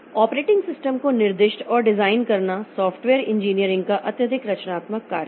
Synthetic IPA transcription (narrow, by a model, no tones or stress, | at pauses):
ɔːpɾeːʈɪ̃ŋɡsɪsʈəmkonɪɾd̪ɪʃʈɔːɾɖɪzaːɪnkɐɾnasɔːfʰʈʋeːɾɪ̃ɲd͡ʒiːnijəɾɪ̃ŋɡkaʔɐt̪jəd̪ʱɪkɾɐt͡ʃnaːt̪məkːa̰ːɾ